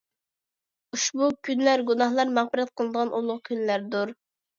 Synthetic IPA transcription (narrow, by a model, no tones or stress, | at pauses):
uʃbukʲynlæɾɡunɑχlˠɑɾmæʁpəɾɛt̪̚qʰəlˠəd̪əʁɑnʔulˠʊʁʊkʲʰynlæɾd̪uɾ